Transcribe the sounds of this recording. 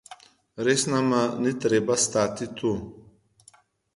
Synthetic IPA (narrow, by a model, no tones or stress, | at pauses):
ɾesnamanit̪ɾebast̪at̪it̪ʰu